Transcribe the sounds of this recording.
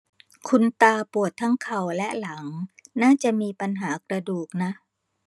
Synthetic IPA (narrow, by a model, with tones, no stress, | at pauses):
kʰu˧nt̪aː˧pu˨˩ət̪ʰːa˦˥ŋkʰa˨˩wlɛ˦˥ʔla˩˦ŋnaː˥˩t͡ɕa˨˩ʔmiː˧pa˧nɦaː˩˦kɾa˧duː˨˩k̚na˦˥ʔ